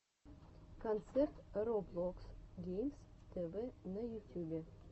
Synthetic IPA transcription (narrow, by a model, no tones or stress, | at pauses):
kont̪sert̪ɾoblˠoksɡʲejmst̪ʰevenɐjut̪ʲjubʲe